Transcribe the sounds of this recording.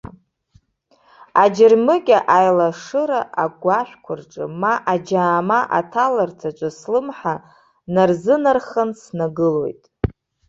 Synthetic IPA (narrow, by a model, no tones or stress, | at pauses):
ad͡ʒɪrmɨɡʲaʔajlaʂɨɾaaɡʷaʃᶣkʷʰʊrʈ͡ʂʼɨ̰maʔad͡ʒaːmaʔa̰tʰalartʰat͡ʃʷʼaslɨmħa | narzɨnarχansnaɡɨlo̞jtʼ